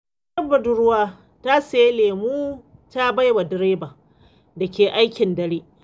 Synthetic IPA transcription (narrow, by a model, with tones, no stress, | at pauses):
ɐ˦bɐ˨dʊ˦ɾʊ˦waː˦ | ta˦sa˨je˦leː˨muː˦ta˦ba˦jwa˨dɪ˦ɾeː˦ba˨ | dɐ˨kʲeː˨ʔa˦jkʲɪ˨ndɐ˦ɽiː˦